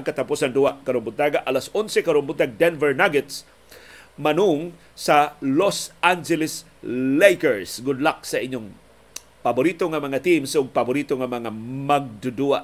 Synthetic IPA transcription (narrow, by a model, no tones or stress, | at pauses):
aŋkat̪apusand̪uakɐɾʊmbʊaɡaʔalasonsɛkɐɾʊmbʊt̪ːaɡ̚d̪ɛnvɛɹnaɡɛt̪s | manuŋ | salosand͡ʒɛlɪs | lejkɛɹsɡʊd̪lak̚sɐʔɪɲoŋ | pabʊɾit̪oŋamɐŋat̪imsʊɡ̚pabʊɾit̪oŋamɐŋamaɡ̚d̪ʊd̪uaʔ